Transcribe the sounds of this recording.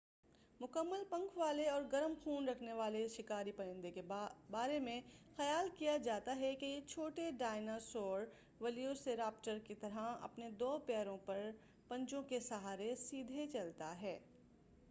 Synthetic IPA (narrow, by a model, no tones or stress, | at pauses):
mʊkəmːəlpɐ̃ŋkʰʋaːleɔːɾɡɐɾəmxʰuːnɾɐkʰneʋaːleʃɪkaːɾipɐɾə̃nd̪ekebaːɾemẽxɐjaːlkijad͡ʒaːt̪aɦɛkejet͡ʃʰoːʈeɖaːɪnasɔːɾ | ʋɐlijoseɾaːpʈəɾkit̪ɐɾəɦɐ̰pned̪oːpɛːɾõpɐɾ | pɐ̃ɲt͡ʃõkesɐɦaːɾesiːd̪ʱet͡ʃɐlt̪aɦɛː